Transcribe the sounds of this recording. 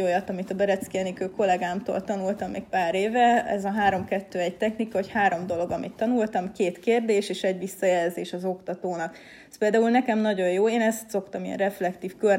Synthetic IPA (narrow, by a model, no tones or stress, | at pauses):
o̞jɒt̪ɒmit̪ɒbɛɾɛt̪skiɛnikøːko̞lɛɡaːmt̪o̰ːlt̪ɒnult̪ɒmːḛːk̚paːɾeːvɛɛ̰zɒɦaːɾo̞mkɛt̪ːøːɛɟ̚t̪ɛxnikɒochaːɾo̞md̪o̞lo̞ɡɒmḭt̪ːɒnult̪ɒmkeːt̪keːrd̪eːʃeːʃɛɟʋisːɒjɛlzeːʃɒzo̞kt̪ɒt̪oːnɒk | ɛspeːld̪aːulnɛkɛmnɒɟo̞joːeːnɛst̪so̞kt̪ɒmijɛ̰nrɛflɛkt̪iːfkør